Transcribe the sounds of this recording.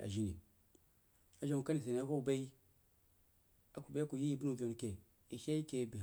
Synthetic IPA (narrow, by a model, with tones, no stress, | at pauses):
a̰˨ʒi˦ni˨ | a˨d͡ʒo˦˨ka˦ni˨s̬e˨ni˨a˦ko˦u˨ba˦i˦ | a˨ku˨ba˦ku˨ji˦ji˦bi˦nu˨vo˨n˨ke˨ | i˨ʃe˦i˦ke˨bi˨